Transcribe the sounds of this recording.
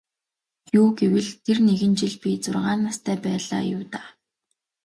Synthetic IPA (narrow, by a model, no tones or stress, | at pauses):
juːɡewɘ̆ɮt̪ʰerneɣɘ̆nt͡ɕɪ̆ɮpʲit͡sʊrʁaːnmast̪ʰæːpæːɮa̰ːjʊːwt̪aː